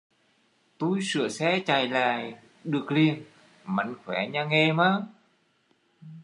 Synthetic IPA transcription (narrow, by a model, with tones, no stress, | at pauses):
t̪u˧˩jsɨ̰˧˨əsɛ̰˧˥t͡ɕaː˨˩jla̰ː˧˨j | ɗɨ˨˩ək̚li˧ən | ma˧˩jŋxwɛ˧˩ɲaː˧ŋe˧maː˧˦